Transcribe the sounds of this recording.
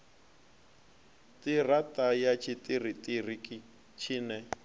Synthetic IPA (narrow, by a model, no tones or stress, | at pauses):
tiratajat͡ʃʰitiritʼirikʼi | t͡ʃʰinɛ